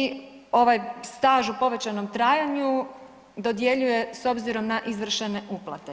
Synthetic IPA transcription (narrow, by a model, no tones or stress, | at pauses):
i | o̞ʋajst̪aːʒupo̞ʋe̞t͡ɕano̞mt̪ɾaːjaɲu | d̪o̞d̪je̞ʎuje̞so̞bziɾo̞mnaʔizʋr̩ʃene̞uplˠa̰t̪e